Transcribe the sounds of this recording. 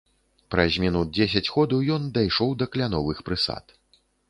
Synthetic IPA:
pɾɐzʲmʲinud̪̚d͡zʲesʲɐt͡sʲɣɔd̪ɐwjɔnd̪ajʂɔwd̪ɐklʲanɔvɨxpɾɨsa̰t̪

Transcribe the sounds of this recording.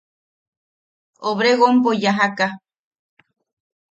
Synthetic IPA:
oβɾeɣompojaɦaka

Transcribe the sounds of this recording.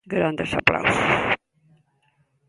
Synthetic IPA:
ɡɾand̪əsa̰pla̰wsos

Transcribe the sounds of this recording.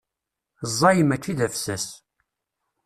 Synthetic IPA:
zˤːɑjəmækːiðæfsæs

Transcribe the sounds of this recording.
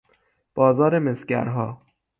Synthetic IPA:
b̥ɒːzɒːɾemesɟæ̰ɾɦɒː

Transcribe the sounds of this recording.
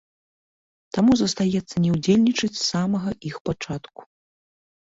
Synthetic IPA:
t̪amuzɐst̪ajɛt̪sːɐnʲɛwd͡zʲelʲnʲit͡ʂɐt͡sʲsamɐɣɐʔixpat͡ʂat̪ku̥

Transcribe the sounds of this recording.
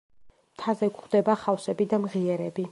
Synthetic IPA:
mt̪ʰazɛkχd̪̥ɛbaχafsɛbid̪amʁiɛɾɛbi

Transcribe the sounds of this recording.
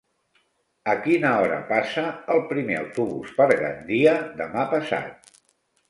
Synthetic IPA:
əkinəɔɾə̰pasəːlˠpɾimeə̰wt̪uβṵspəɾɣə̰nd̪iəðəmapəsa̰t̪̚

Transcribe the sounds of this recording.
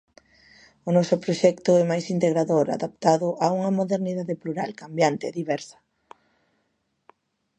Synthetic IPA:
ʊnɔsʊpɾoʃɛkt̪ʊɛmajsint̪eɣɾaðoɾa̰ðapt̪aðʊʔauŋɐmoðeɾniðaðepluɾalkambjant̪eðiβɛɾsɐ̥

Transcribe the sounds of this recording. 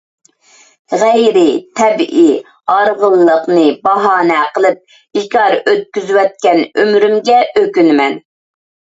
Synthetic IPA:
ʁɛjɾɪt̪ʰɛbʔi | ɑɾʁəlˠːəqnɨbɑɦɑːnɛqəlˠɨp̚ | ikʲɑɾøt̪̚kʲyzwɛt̪̚kʲɛnømɾymɡʲɛʔøkʲynmɛn

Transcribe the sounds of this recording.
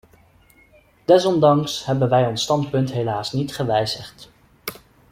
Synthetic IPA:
d̥ɛsɔndɑŋsɦɛbənʋɛjɔnstɑntpɵntɦelaːsnitχəʋɛjzəχt

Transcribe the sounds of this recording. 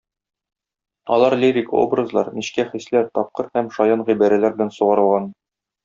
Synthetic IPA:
ɒlˠɑɾlʲiɾʲiko̰brɤzlˠɑɾmiɕkæχislæɾt̪ɒp̚qɤɾhæmʃɒjɤnʁibæɾælæɾbɘ̆lænsuʁɑɾɤ̆lˠʁɑn

